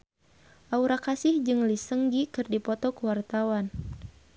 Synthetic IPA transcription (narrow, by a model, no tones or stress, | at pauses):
ʔauɾakasɪhd͡ʒɨŋlisəŋɡikɨrdipɔt̪ɔkəwart̪awan